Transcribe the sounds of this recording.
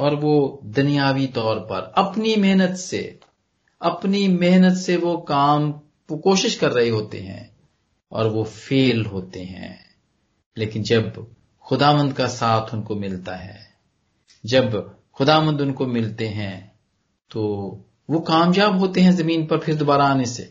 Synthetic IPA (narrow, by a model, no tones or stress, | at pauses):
ɔːɾʋod̪ʊnijaːʋit̪ɔːɾpɐ̰ɾɐpnimɛɦnət̪sḛ | ɐpnimɛɦnət̪seʋokaːm | koːʃɪʃkɐɾːɐɦeɦoːt̪ḛɦɛ̰̃ | ɔ̰ːɾʋofeːlɦoːt̪eɦɛ̰̃ː | leːkɪnd͡ʒɐb | xʊd̪aːʋə̃nd̪kasaːt̪ʰʊnkomɪlt̪aɦɛ̰ː | d͡ʒɐb | xʊd̪aːʋə̃nd̪ʊnkomɪlt̪eɦɛ̃ | t̪oː | ʋokaːmjaːbɦoːt̪eɦɛ̃zɐmĩːnpɐɾpʰɪɾd̪obaːɾaːnesḛː